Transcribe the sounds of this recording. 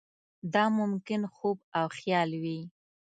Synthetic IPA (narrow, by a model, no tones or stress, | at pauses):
d̪ɑmʊmkɪnxob̚awxjɑlwi